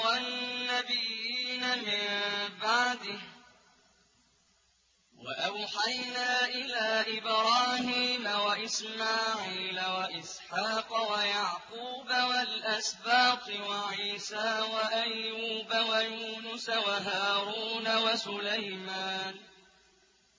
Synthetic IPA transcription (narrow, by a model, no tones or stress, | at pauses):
wanːabɪjːiːnamɪmbaʕd̪ɪ | waʔawħajnaːʔɪlaːʔɪbɾˤɑːhiːmawaʔɪsmaːʕiːlawaʔɪsħɑːqɑwajaʕquːbawalʔasbaːq̪ɨwaʕiːsaːwaʔajːuːbawajuːnʊsawaɦaːɾuːnawasʊlajmaːn